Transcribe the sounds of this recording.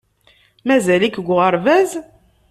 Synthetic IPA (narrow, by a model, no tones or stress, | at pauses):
mæzælikɡʷʁəɾˤvæz